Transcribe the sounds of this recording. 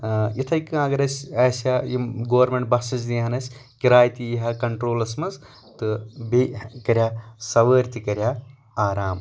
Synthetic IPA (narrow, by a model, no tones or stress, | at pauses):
jit̪ʰɐjkɨɐɡɐɾɐsʲɐːsajiɡoːɐɾmeɳʈ̚bɐsɐs̬d̪iɦɐnɐsʲkiɾaːjt̪iiɦɐkɐɳʈɾoːlɐsmɐz | t̪ɨbekɐɾʲjasɐʋəːɾʲt̪ikɐɾʲja | aːɾaːm